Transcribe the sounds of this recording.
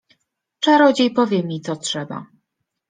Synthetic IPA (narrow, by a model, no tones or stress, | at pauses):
t͡ʂaɾɔd͡ʑejpɔvʲjɛmʲit̪sɔtʂɛba̰